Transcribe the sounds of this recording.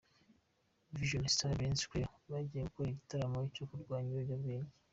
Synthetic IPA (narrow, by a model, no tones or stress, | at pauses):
viʒualstaɾenskweβaɟieɡukoɾiɟitaɾamoicokuɾɡwaːɲiɾoɟabɡeːɲɟe̥